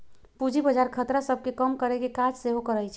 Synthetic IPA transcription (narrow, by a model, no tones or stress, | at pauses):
pud͡ʒibəd͡ʒaɾkʰət̪ɾasəb̚ʱkekəmkəɾekekad͡ʒseɦokəɾəjt͡ʃʰɛ